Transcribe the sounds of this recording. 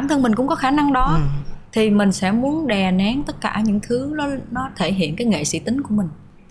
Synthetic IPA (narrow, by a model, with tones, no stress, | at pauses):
aː˧˩mt̪ʰə˧nmï˨˩ŋ̟kʊ̰˧˥ŋ͡mkɔ˨˦xaː˧˩na˧ŋɗɔ˨˦t̪ʰi˨˩mï˨˩ŋ̟sɛ̰˧˥mu˨˦ənɗɛ˨˩nɛ˨˦ŋt̪ə˦˥t̚kaː˧˩ɲɨ̰˧˥ŋt̪ʰɨ˨˦nɔ˨˦nɔ˨˦t̪ʰe˧˩ɦḭ˧˨ənkaː˨˦jŋḛ˧˨sḭ˧˥t̪ï˨˦ŋku˧˩əmï˨˩ŋ̟